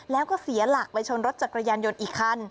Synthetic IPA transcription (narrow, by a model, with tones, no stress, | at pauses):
lɛː˦˥wkɔː˥˩si˨˩˦ɐla˨˩k̚pa˧jt͡ɕʰo˧nɾo˦˥t̪̚t͡ɕa˨˩kɾa˧jaː˧njo˧nʔiː˨˩kʰːa˥˩n